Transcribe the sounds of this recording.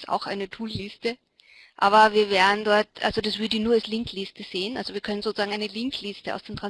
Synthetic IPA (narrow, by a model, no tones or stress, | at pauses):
sa̰ʊxʔa̰ɪnətʰuːlːɪstə | ʔaːbɐviːɐvɛːɐdn̩dɔɐtʔa̰lz̥odasv̥ʏɐdəɪçnuːɐalslɪŋkʰlɪstəz̥eːənʔa̰lzoviːɐkʰœnənzoːt͡suz̥aːŋaɪnəlɪŋktʰlɪstəʔa̰ʊsd̥eːɐtʁ̥an